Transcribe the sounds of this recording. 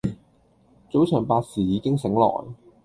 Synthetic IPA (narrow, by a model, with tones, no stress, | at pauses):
t͡so˨˥wt͡ʃʰœː˨˩ŋpaː˧t̚siː˨˩jiː˨˧˥kɪ˥ŋsɪ˨˥ŋlɔ̰ː˨˩j